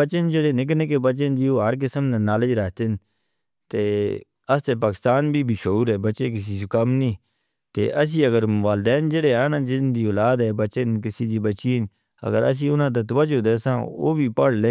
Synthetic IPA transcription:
ət͡ʃənd͡ʒəɽeːnɪkneːkeːbət͡ʃend͡ʒiːoːəɾk̬ɪsəmnãːnaːləd͡ʒɾəɦt̪ɪn | t̪eː | əst̪eːpaːkɪ̥st̪aːnbʱiːbʱiːʃəuːɾɦɛːbət͡ʃeːk̬ɪs̬iːsʊkəmniː | t̪ḛːʔəs̬ĩːəɡəɾʋaːld̪ɛːnd͡ʒəɽeːaːnãːd͡ʒɪnd̪iːoːlaːd̪ɛːbət͡ʃenkɪsiːd͡ʒ̪iːbət͡ʃiːn | ə̰ɡəɾə̰s̬ĩːʊnãːt̪̬ət̪ʋət͡ʃoːd̪eːsãːo̰ːbʱiːpəɽleː

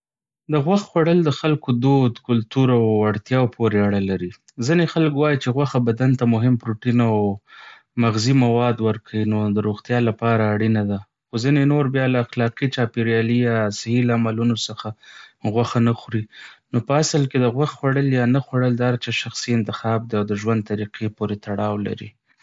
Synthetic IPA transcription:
d̪əɣwaxxwaɽəld̪əxalkod̪od̪kʊlt̪uɾawaɽt̪jɑwpʰoɾeaɽalaɾi | zinexalkwɑjit͡ʃeɣwaxabad̪ant̪amʊɦɪmpɾoʈinaw | maɣzimawɑd̪wəɾkʰawinod̪əɾoɣt̪jɑlapɑɾaːɽinad̪a | xozinenoɾbjɑlaaxlɑqit͡ʃɑpiɾjɑlijɑsɪhilaamalunosəxaɣwaxanaxɾinopəasəlked̪əɣwaxxwaɽəljɑnaxwaɽəld̪aaɾt͡ʃɑʃaxsiɪnt̪ɪxɑb̚d̪eawd̪əʒwand̪̚t̪aɾiqʰepoɾet̪ʰaɽɑwla̰ɾḭ

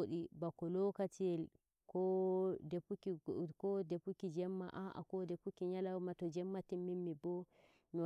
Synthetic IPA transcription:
ɗibakɔlɔkatiɛl | kɔdepukikɔdepukid͡ʒɛmːa̰ʔaʔa̰kɔdepukiɲalawmatɔd͡ʒɛmːatimːimːibɔ | mi

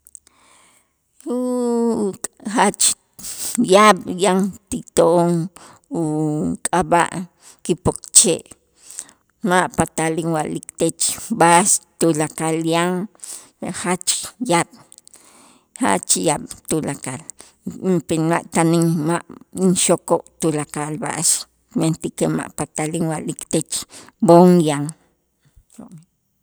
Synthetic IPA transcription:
u | at͡ʃ | jaɓjaŋt̪it̪oʔoŋ | ukʼaba̰ʔ | kipokt͡ʃeʔ | maʔpat̪aliŋwa̰ʔlikt̪et͡ʃbast̪ulakaljaŋ | ehat͡ʃkjaɓ̥ | ha̰ʔt͡ʃijaɓ̥t̪ulakal | mpenmaʔt̪aniŋmaʔnʃokoʔt̪ulakalba̰ʔʃ | ment̪ikema̰ʔpat̪aliŋwaʔlikt̪et͡ʃboŋjaŋ | ʃo̰ʔmi

